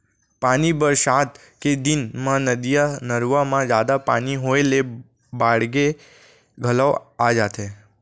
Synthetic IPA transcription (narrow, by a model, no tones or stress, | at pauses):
panibəɾʃat̪ | ked̪inmãnəd̪ijanəɾʋamãd͡ʒad̪apaniɦoele | baɽɡe | ɡʱəlawad͡ʒat̪ʰe